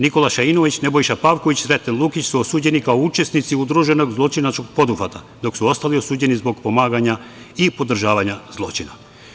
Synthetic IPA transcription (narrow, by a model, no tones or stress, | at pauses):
niko̞laʃaino̞ʋit͡ɕne̞bo̞jʃapaʋko̞ʋit͡ɕɾet̪enlˠukit͡ɕsuosuːd͡ʑenikaout͡ʃe̞snit̪siud̪ɾuʒeno̞ɡzlˠo̞t͡ʃinat͡ʃkoɡ̚po̞d̪ufat̪a | d̪o̞ksuo̞st̪alio̞suːd͡ʑe̞nizbo̞ɡpo̞maːɡaɲa | ipo̞d̪ɾ̩ʒaːʋaɲaz̥lˠo̞̰t͡ʃina